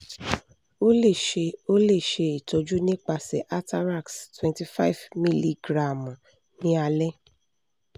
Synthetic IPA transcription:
o˦le˦˨ʃe˧o˦le˦˨ʃe˧i˨to˧d͡ʒu˦nĩ˦k͡pa˧sɛ˨ʔa˦ta˦ɾa˦˨kstwɛ̃˨nti˨fa˦i˨vmĩ˦li˦ɡɾa˨m˨ | nĩ˦a˧lɛ˦

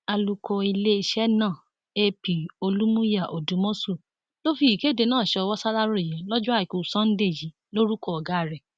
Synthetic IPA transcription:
a˧lu˧kʰɔ˧i˧le˦i˧ʃɛ˦nãː˦˨ | e˦˧pi˨o˧lu˦mũ˦ja˦˨ʔo˨dũ˨˦mõ˦su˦˨ | lo˦fi˧i˨ke˦˨de˧nãː˦˨ʃɛ˧ɔ˧wɔ˦sa˦la˦ɾo˦˨jɛ˨˦lɔ˦d͡ʒɔ̃˦a˦˨i˨ku˨sã˦n̩˦de˦˨d͡ʒi˨˦ | lo˦ɾu˦kɔ˧ɔ˨ɡa˨˦˨ɾɛ˨

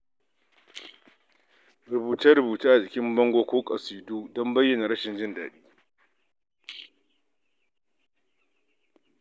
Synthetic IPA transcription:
ɾʊ˨buː˨tɐ˦ɾʊ˨buː˨taː˦ʔa˨d͡ʒɪ˨kʲɪ˦mbɔ˦ŋɡʷoː˦kʷoː˦kʼɐ˨siː˨du˦dɔ˦mbɐ˦jːɐ˨na˨ɽɐ˦ʃɪ˨nd͡ʒɪ˦ndaː˨ɗiː˦

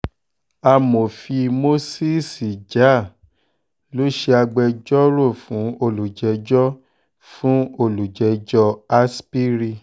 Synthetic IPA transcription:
a˧mo˨fi˧mo˦si˦˨si˨d͡ʒa˨˦˨ | lo˨˦ʃe˧a˧ɡ͡bɛ˧d͡ʒɔ˦ɾo˦˨fũ˨˦o˧˨lu˨d͡ʒɛ˨˦d͡ʒɔ˦ | fũ˦o˧˨lu˨d͡ʒɛ˨˦d͡ʒɔ˧a˦spi˦ɾi˧

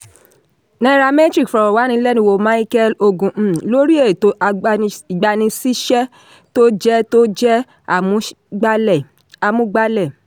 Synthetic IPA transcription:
nã˦˧ɾa˧me˦tɾi˦kfɔ˨ɾɔ˨wa˨˦nĩ˧˦lɛ˦nĩ˧wo˧˨mã˦i˦kɛ˦lo˧ɡũ˨lo˦ɾi˦e˦˨to˧ʔa˧i˨ɡ͡ba˧nĩ˧si˦ʃɛ˦ | to˦d͡ʒɛ˦to˦d͡ʒɛ˦ | a˨mũ˨˦ | ɡ͡ba˦l | a˧mũ˦ɡ͡ba˦lɛ˦˨

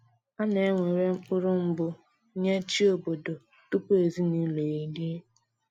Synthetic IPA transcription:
a˦ne˨e˦ŋʷe˨ɾe˦k͡pʊ˦ɾʊ˦m̩˦bʊ˦ | ɲe˦t͡ʃi˦o˨bo˨do˨ | tu˦pe˨zi˦ni˦le˨i˦di˦

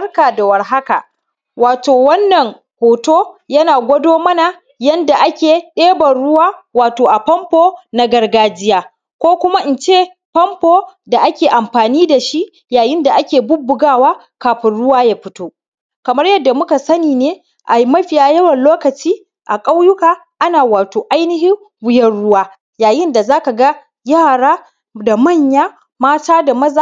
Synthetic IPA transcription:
ɐ˦rkaː˨da˨wɐ˨rɦa˦ka˨ | waː˨toː˨wɐ˦nːɐ˨ŋ | hoː˨toː˦jɐ˦naː˨ɡʷɐ˦doː˦mɐ˦na˨ | jɐ˦nda˨ʔa˦kʲeː˨ɗeː˦bɐ˨nɽʊ˦waː˦waː˨toː˨ʔa˨pɐ˦mpoː˦na˦ɡɐ˨rɡaː˦d͡ʒɪ˦jaː˦ | kʷoː˦kʷʊ˦ma˦ʔɪ˨nt͡ʃeː˦˨ | pɐ˦mpoː˦da˨ʔa˦kʲeː˨ʔa˨mɸaː˨niː˦da˨ʃi˦ʔ | jaː˨jɪ˦nda˨ʔa˦kʲeː˨bʊ˦bːʊ˨ɡaː˦˨waː˦ | kaː˨ɸɪ˦nɽʊ˦waː˦jaː˦ɸɪ˦toː˦ | kɐ˨mɐ˦rjɐ˦dːa˨mʊ˦ka˨sɐ˦niː˨neː˦ | ʔa˨ji˦mɐ˦ɸɪ˨jaː˨jɐ˦wɐ˨nloː˦kɐ˨t͡ʃiː˦ | ʔa˨kʼa˦wjʊ˦kaː˨ | ʔa˦naː˨waː˨toː˨ʔa˦jnɪ˦ɦɪ˦m | wʊ˦jɐ˦rɽʊ˦waː˦ | jaː˨jɪ˦nda˨zaː˦ka˨ɡa˦ | jaː˦˨ɽaː˦ | da˨mɐ˦˨ɲjaː˦ | maː˦taː˦da˨mɐ˦za˨

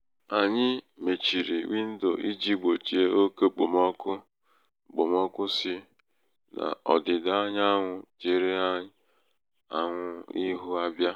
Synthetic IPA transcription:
a˨ɲɪ˦me˨t͡ʃi˨ɾi˨wi˦n̩˦do˨ʔi˦d͡ʒi˦ɡ͡bo˨t͡ʃi˨e˦o˦ke˦k͡po˨mɔ˦kʊ˦˨ | ɡ͡bo˨mɔ˦kʊ˦sɪ˦ | na̰˨ɔ̰˨dɪ˨da˦ɲ˦a˦ŋʷʊ˨d͡ʒe˨ɾe˦a˦ | a˨ŋʷʊ˦i˦ɦʊ˦a˦bja˦

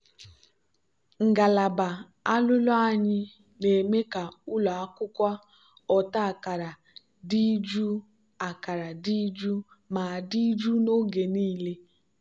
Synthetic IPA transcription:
ŋ̩˨ɡa˨la˨ba˨ | a˦lʊ˦lɔ˦a˦˨ɲɪ˦ | ne˨me˦ka˨u˦la˨a˦kʊ˦kʷa˦ | ɔ˨ta˦a˨ka˨ɾa˨ | di˦d͡ʒu˦ | a˨ka˨ɾa˨di˦d͡ʒu˦ | ma˨di˦d͡ʒu˦no˦ɡe˨niː˦le˦

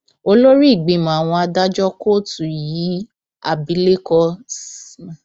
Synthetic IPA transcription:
o˧lo˦ɾi˦˨ɡ͡bĩ˨˦˨mã˨a˨w̃ɔ̃˧a˧da˦d͡ʒɔ˦ko˦˨tu˨ji˨˦ | a̰˦˨bi˨˦le˦kɔ˧˨

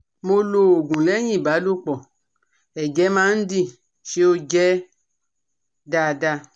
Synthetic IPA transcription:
mo˧lo˨o˨ɡũ˨lɛ˦ɲĩ˦˨ba˨˦lo˦˨k͡pɔ˨ | ɛ˨d͡ʒɛ˨˦mã˦n̩˦di˦˧˨ | ʃe˦o˧d͡ʒɛ˦ | da˧˨da˧

